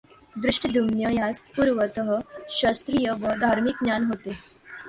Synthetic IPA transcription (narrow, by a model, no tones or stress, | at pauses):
d̪ɾuʂʈəd̪ʱumjəjaspuɾʋət̪əɦəɕəst̪ɾijəʋəd̪ʱaɾmik̚ɲjanɦot̪e